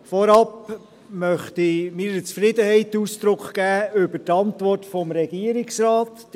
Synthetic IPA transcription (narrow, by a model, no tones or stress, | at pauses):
fɔɾɑp | mœχtimɪːɾət͡sfɾɪdəhɛɪtuːsd̪̥ɾʊkχɡ̥æːʏbətɑntvɔrtfɔmɾɛɡiəɾɪksɾɑːt